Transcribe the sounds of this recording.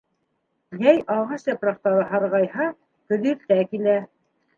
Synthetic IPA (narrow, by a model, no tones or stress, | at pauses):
jæjʔɑʁɑʃjɑpɾɑqt̪ɑɾɤɦɑɾʁɑjhɑ | kɵ̆ðiɾt̪ækilæ